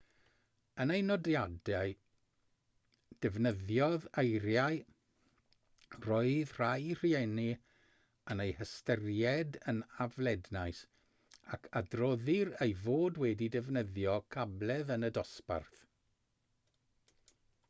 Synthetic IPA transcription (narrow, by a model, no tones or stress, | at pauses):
ənejnɔdjadɛɨ | d̥ɛvnəðjɔðejɾjaɨ | rɔɨðr̥ajr̥iɛni | ənejhəstərjɛdənavlɛdnaɨs | akʰadrɔðɪɾejvoːdwɛdidɛvnəðjɔkʰablˠɛðənədɔspa̰rθ